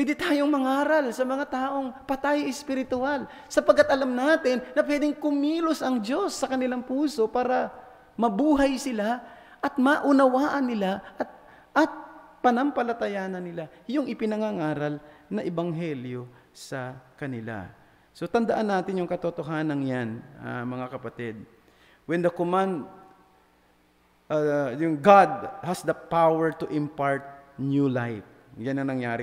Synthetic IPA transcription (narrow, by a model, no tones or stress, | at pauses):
wɛd̪ɪt̪aːjo̞ŋmɐŋaːɾɐlsɐmɐŋat̪aːʔo̞ŋpɐt̪ajʔɪspɪɾɪt̪ʊal | sɐpɐɡkːat̪̚ʔɐlamnaːt̪ɪnːɐpwɛːd̪ɪŋkʊmiːlʊsʔɐŋd͡ʒo̞sːɐkɐnɪlaŋpuːso̞paːɾɐ | mɐbuːɦɐjsɪla | ʔɐt̪̚maʔʊnɐwaːʔɐnːɪlaʔɐt̪̚ | ʔɐt̪̚pɐnɐmpɐlɐt̪ɐjaːnɐnːɪlajʊŋʔɪpɪnɐŋaŋaːɾɐlnɐʔɛbɐŋɦɛljo̞ | sɐkɐnɪla̰ | so̞t̪ɐnd̪ɐʔanːaːt̪ɪnjʊŋkɐt̪ot̪o̞ɦaːnɐŋjanɐ̰mɐŋakɐpɐt̪ɪd̪̚ | wɛnd̪ɐkʊmand̪ | jʊŋɡad̪̚hɐsd̪ɐpawɛɹt̪ʊʔɪmpaɹt̪̚njulajf̚ | janɐŋnɐŋjaːɾɪ